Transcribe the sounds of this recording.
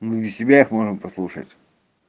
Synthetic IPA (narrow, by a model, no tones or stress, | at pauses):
mɨɪsʲɪbʲaixmo̞ʐɨmpɐslˠuʂə̰tʲ